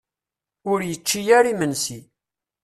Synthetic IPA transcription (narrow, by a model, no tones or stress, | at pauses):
ʊɾjət͡ʃːijæɾimənsi